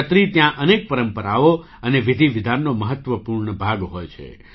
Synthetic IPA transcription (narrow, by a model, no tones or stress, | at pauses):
ət̪ɾit̪jãʔənek̚pəɾəmpəɾaʋo | əneʋɪd̪ʱiʋɪd̪ʱanːoməɦət̪ʋəpuɾɳəbʱaɡɦojt͡ʃʰḛ